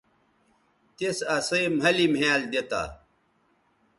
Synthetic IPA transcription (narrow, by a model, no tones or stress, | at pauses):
t̪esɐsɐjmɦɐlimaːld̪et̪a̰ː